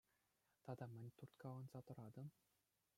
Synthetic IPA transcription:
t̪ɑd̪ɑmʲɘ̆nʲt̪urt̪kɑʋɑnz̥ɑt̪ɤ̆ɾɑd̪ɤ̆m

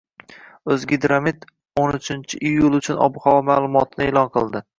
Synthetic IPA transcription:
ɵzɡʲɪd̪ɾamit̪ | onʊt͡ʃʰɪnt͡ʃʰɪʔijːʊlˠʊt͡ʃʰʊnɒ̰bʊχɒwɒmalˠʊmɒt̪ʰɪnɪeːlɒnqʰɨlˠd̪ɪ

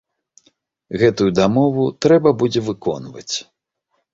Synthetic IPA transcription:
ɣɛt̪ujud̪amɔvut̪ɾɛbɐbud͡zʲɛvɨkɔ̰nvɐ̰t͡sʲ

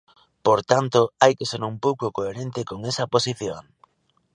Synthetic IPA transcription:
poɾt̪ant̪oajkeseɾumpowkokoeɾent̪ɪkoŋesɐposiθjoŋ

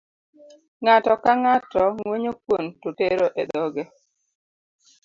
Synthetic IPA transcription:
ŋatɔkaŋatɔŋweɲokwontoteɾoʔeɗɔɡɛ

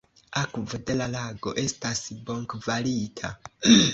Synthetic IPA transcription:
akvode̞lalaɡo̞ʔe̞stasbo̞ŋkvalitʰa

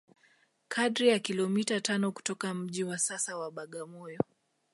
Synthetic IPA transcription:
kʰaɗɾijakilɔmitatanɔku̥tɔkam̩ʄiwasasawaɓaɠamɔjɔ

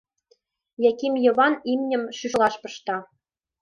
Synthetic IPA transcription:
jækʲimjɤ̆βɑnimnʲɘ̆mʃyʃlˠɑʃpɤ̆ʃt̪ɑ

